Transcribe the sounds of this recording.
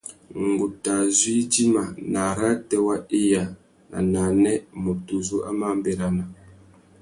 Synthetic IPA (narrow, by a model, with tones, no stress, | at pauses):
ŋ̩˨ɡu˨ta˨zwi˦ti˦ma˨na˨ɾa˦tɛ˦wa˦i˦ja˨ | na̰˨na˨nɛ˦mu˨tu˨zu˦ʔa̰˦ma˦m˦bɛ˨ɾa˨na˨